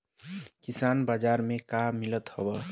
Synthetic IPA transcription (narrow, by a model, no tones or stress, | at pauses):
kisanbad͡ʒaɾmekamilət̪hobʌ